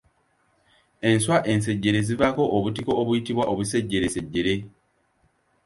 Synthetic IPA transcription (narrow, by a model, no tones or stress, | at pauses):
e̞nswaʔe̞ns̬e̞ɟːe̞ɾe̞zivako̞ʔoβutiko̞ːβujitiβwaʔoβuse̞ɟːe̞ɾese̞ɟːe̞ɾe̞